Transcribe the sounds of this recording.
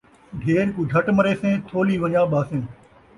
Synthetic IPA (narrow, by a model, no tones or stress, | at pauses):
ɖʱeːɾkũːd͡ʒʱəʈməɾeːsẽːt̪ʰoːliːʋəɲãːɓaːsẽː